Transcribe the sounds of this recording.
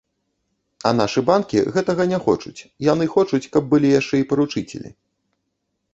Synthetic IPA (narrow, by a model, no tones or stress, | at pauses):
ɐn̪aʂɨbankʲiɣɛt̪ɐɣɐnʲɛxɔt͡ʂut͡sʲjanɨxɔt͡ʂut͡sʲkɐb̚bɨlʲijaʂt͡ʂɛipɐɾut͡ʂɨt͡sʲɛ̰lʲḭ